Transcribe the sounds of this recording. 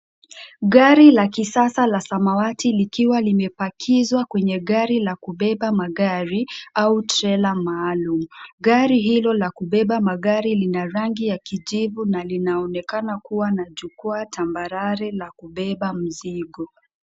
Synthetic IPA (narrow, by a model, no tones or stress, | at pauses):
ɡaɾilakisasalasamawatilikiwalimɛpakʰizwakwɛɲɛɠaɾilakuɓɛɓamaɡaɾiautɾɛlamaːlumuɡaɾiɦilɔlakuɓɛɓamaɠaɾilinaɾaŋɡijakiʄivunalinaɔnɛkanakuwanaʄukɔatʰambaɾaɾɛlakuɓɛɓam̩ziɠɔ